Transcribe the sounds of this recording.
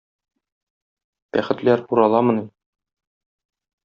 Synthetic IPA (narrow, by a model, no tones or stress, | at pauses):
b̥æχɘ̆t̪læɾuɾɑlˠɑmɤ̆nim